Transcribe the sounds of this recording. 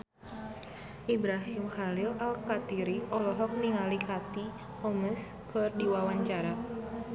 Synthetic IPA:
ʔibɾaɦimxalɪlalkat̪iɾiɔlɔɦɔk̚niŋalikat̪i | hɔməs | kərdiwawaɲt͡ʃaɾa

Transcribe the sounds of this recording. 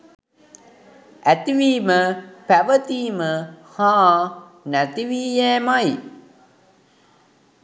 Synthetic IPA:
æt̪iʋiːməpæʋət̪iːməhãː | næt̪iʋiːjɛːmaj

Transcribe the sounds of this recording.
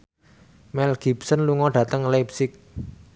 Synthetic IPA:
mɛlɡ̥ipsənluŋɔɖ̥ä̤t̪əŋlapsɪk̚

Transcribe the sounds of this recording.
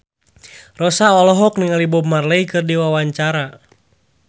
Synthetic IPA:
rɔsaɔlɔɦɔk̚niŋalibɔmarləikɨrdiwawaɲt͡ʃaɾa

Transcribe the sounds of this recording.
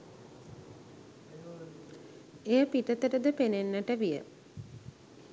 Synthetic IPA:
ejəpit̪ət̪əʈəd̪əpenenːəʈəʋijə̰

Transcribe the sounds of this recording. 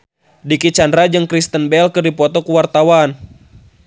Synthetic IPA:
dikit͡ʃandɾad͡ʒɨŋkɾist̪ənbɛlkɨrdipɔt̪ɔkuwart̪awan

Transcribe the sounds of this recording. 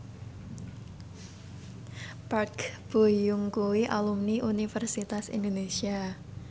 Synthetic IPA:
parkb̥ojʊŋkuwiʔalumniʔunifərsit̪asḭnd̪onesia

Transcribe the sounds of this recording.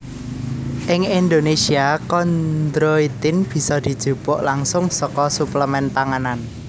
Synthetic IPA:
ʔɪŋind̪onesiakɔnd̪ɾoit̪ɪnb̥i̤sɔd̪̥i̤d̥ʒ̥ṳb̥ʊʔlaŋsʊŋsɔkɔsupləmɛnt̪aŋanan

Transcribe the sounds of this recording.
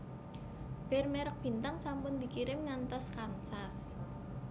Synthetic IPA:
b̥ɛ̤rmɛɾək̚b̥i̤nt̪aŋsampʊnd̪i̤kiɾɪmŋant̪ɔskansas

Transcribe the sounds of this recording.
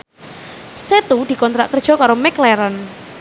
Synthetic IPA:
set̪ud̪̥i̤kɔnt̪ɾa̰ʔkərd̥ʒ̥ɔ̤kaɾomɛklɛɾən

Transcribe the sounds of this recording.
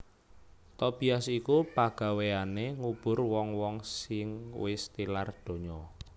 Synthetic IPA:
t̪ɔb̥i̤asikupaɡ̥a̤weaneŋub̥ʊ̤rwɔŋwɔŋsɪŋwɪst̪ilard̪̥o̤ɲɔ

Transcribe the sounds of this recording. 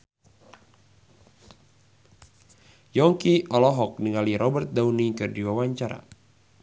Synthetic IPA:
jɔŋkiɔlɔɦɔk̚niŋaliɾɔbərt̪̚dawnikɨrdiwawaɲt͡ʃaɾa̰

